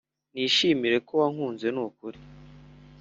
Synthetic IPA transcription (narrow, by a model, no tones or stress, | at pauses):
niʃiːmiɾe̞kowaŋ̥huːnze̞nukuɾi